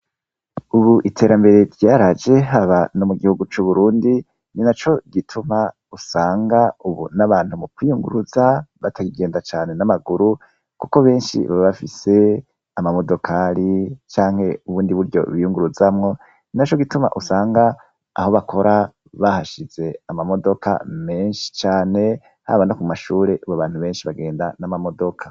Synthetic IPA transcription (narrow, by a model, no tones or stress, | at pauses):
uβuʔitʰe̞ːɾambe̞ɾe̞ɾjaːɾad͡ʒe̞ɦaβano̞muɡihuɡut͡ʃuβuɾuːndi | ninat͡ʃo̞ɡitʰuma | usaːŋɡauβṵnaβaːn̥humukwijuŋɡṵɾuzaβatʰaɡiɡe̞ːndat͡ʃaːne̞namaɡuɾu | kuko̞βe̞ːnʃḭβaβafise̞ | amamo̞do̞kʰaɾit͡ʃaːŋhe̞uβuːndiβuɾɟo̞̰βijuŋɡuɾuzamŋo̞ | nat͡ʃoɡituma̰ʔusaːŋɡa̰ː | ho̞βakʰo̞ɾa | βahaʃiz̥e̞amamo̞do̞ka̰me̞ːnʃi̥t͡ʃaːne̞ | ha̰βanakumaʃuːɾe̞ʔuβoβaːn̥huβe̞ːnʃiβaɡe̞ːndanamamo̞do̞kʰḁ